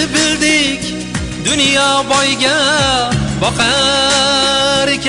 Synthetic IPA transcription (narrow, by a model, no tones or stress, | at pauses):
ɪbɪld̪ɪkʲ | d̪ʊnjɒbɒjɡʲa | bɒqɑ | ɾɪkʲʰ